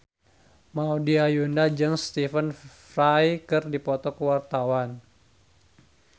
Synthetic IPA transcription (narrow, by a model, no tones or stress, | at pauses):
maodiajundad͡ʒɨŋst̪ifənfrajkɨrdipɔt̪ɔkəwart̪awan